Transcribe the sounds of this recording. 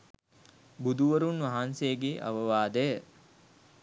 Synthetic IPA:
bud̪uʋəɾunʋɐɦansejːɡeːʔɐ̰ʋəʋaːd̪əjə

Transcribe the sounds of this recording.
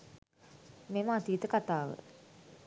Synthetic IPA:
meməat̪iːt̪əkat̪aːʋə̰

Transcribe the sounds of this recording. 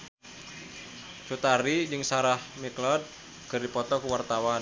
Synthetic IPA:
t͡ʃut̪aɾid͡ʒɨŋsaɾahmiklɔd̪̚ | kɨrdipɔt̪ɔkuwart̪awan

